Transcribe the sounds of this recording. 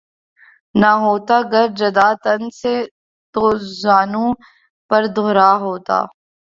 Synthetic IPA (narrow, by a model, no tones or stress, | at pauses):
naɦoːt̪aɡɐɾd͡ʒɐd̪aːt̪ɐnse | t̪oːzaːnũ | pɐɾd̪ʱoːɾaːɦoːt̪a̰ː